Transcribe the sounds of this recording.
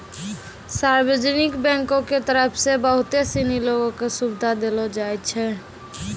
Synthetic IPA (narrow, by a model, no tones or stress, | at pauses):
saɾbəd͡ʒnɪkbɛ̃ŋkõket̪əɾəpʰsebəɦʊt̪esiniloɡõkesubd̪ʱad̪elɔd͡ʒaɛtt͡ʃʰɛ